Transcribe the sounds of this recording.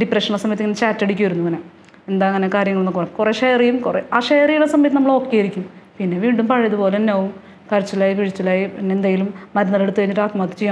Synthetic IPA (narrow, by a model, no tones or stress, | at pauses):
ɖipreʂɐɳɐsɐmɐjɐt̪iŋːɐnet͡ɕaːtːeɽikʲːuʋɐɾunːumɐne | end̪aːŋːɐnekaːɾjɐŋɐɭunːɐkurɐmkureʂejrijumkureaːʂejrijɐlɐsɐmɐjɐt̪ːinɐmːɐɭoːkːejiɾikʲːumpinːe̞ʋiːɳɖumpɐɻɐjɐðupoːlenːoːʋum | kɐɾit͡ɕːɐlaːjipiɻit͡ɕːɐlaːjienːeend̪aːjilummɐɾɐnːɐðeɽut̪ːuʋɐɲːiʈːaːt̪maːt̪ːɨ̥t͡ɕeja